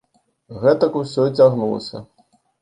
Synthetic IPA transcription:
ɣɛt̪ɐkusʲɔt͡sʲaɣnulˠɐ̰sʲɐ̰

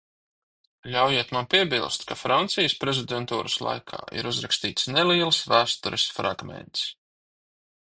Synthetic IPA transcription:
lʲawjiɛt̪manpiɛbilˠst̪kafɾant̪sijəspɾezʲid̪ʲɛnt̪uːɾaslˠa̰jkʰa̰ːḭɾuzɾakst̪iːt̪snɛliːɛlˠsvæːst̪ɔɾesfɾa̰ɡmɛ̰nt̪s

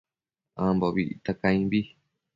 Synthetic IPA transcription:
ãmboβḭʔḭt̪akãĩβi

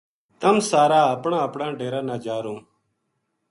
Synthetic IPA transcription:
t̪əmsaːɾaːəpɳãːəpɳãːɖeːɾãːnaːd͡ʒaːɾũː

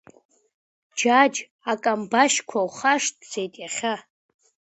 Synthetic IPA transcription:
d͡ʒad͡ʒ | akʼambaʃkʷʰawχaʂtd͡zejtʼjaχʲa

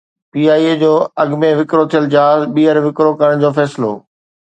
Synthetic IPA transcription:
piːaːied͡ʑoːɐɠmẽʋɪkɾot̪ʰijəld͡ʑɦaːzɓiːəɾʋɪkɾokɐɾəɽ̃d͡ʑoːfɛːsɪloː

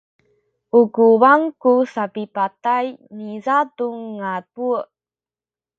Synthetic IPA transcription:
uɡuwaŋkusapipatajnizaduŋːabu

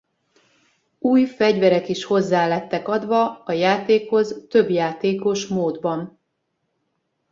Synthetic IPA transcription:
uːjfɛɟvɛɾɛkiʃho̞zːaːlɛt̪ːɛkɒd̪ʋɒɒjaːt̪eːkho̞zt̪ø̞bjaːt̪eːko̞ʃmoːd̪bɒn

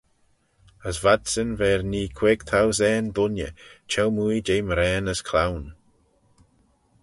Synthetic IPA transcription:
əsvadsənvɛːɹniːkʰw̥eːɡt̪ʰawzɛːnd̪ʊnjə̰t͡ʃʰɛlmujd͡ʒejmɾɛːnəskʰlawn

